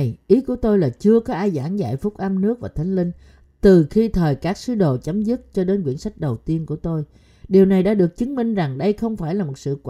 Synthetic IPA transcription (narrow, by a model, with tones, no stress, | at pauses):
jʔi˨˦ku˧˩ət̪o˧jlaː˨˩t͡ɕɨ˧əkɔ˨˦ʔaː˧jzaː˧˩ŋza̰ː˧˨jfʊ˦˥k͡p̚ʔə˧mnɨ˦˥ək̚vaː˨˩t̪ʰa˨˦jŋ̟lï˧ŋ̟ | t̪ɨ˨˩xi˧t̪ʰəː˨˩jkaː˦˥k̚sɨ˨˦ɗo̰˧˨t͡ɕa˨˦mzɨ˦˥t̚t͡ɕɔ˧ɗe˨˦nkwḭ˧˩ənsa˦˥jk̟̚ɗə˨˩wt̪i˧ənku˧˩ət̪o˧j | ɗi˨˩əwna˨˩jɗa̰ː˧˥ɗɨ˨˩ək̚t͡ɕɨ˨˦ŋmï˧ŋ̟za˨˩ŋɗə˧jxə˧wŋ͡mfaː˧˩jlaː˨˩mo˨˩t̚sɨ̰˧˨k